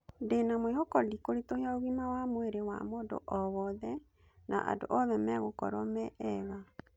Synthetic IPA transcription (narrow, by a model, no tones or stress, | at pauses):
ndenamwehokɔdikoɾitoheaoɣimawamweɾewa̰moːdo̰ʔɔβɔðɛ | nʔa̰ʔa̰do̰ʔɔðɛmɛɣokɔ̰ɾɔmɛɛɣa